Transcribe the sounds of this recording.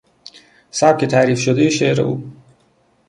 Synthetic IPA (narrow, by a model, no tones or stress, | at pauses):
sæb̥̚kʰet̪ʰæɾiːfʃod̪ejiʃeɾḛʔṵː